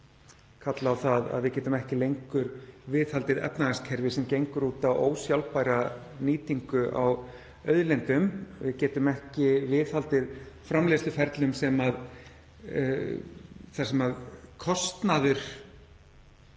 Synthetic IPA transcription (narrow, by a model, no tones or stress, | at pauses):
kʰat̪lawθaða̰ðvɪcɛːt̪ʏmɛhcɪlejŋkʏɾvɪθhalt̪ɪðɛ̰pnaðaskʰɛɾvɪsɛmcejŋkʏɾuːt̪awo̰ːwsjawlpajɾa | niːt̪iŋkʏʔa̰w | œðlɛnt̪ʏmvɪðcɛːt̪ʏmɛhcɪvɪðhalt̪ɪðfɾamleslʏfɛɾt̪lʏmsɛmað | θḁsɛmaðkʰɔst̪naðʏɾ̥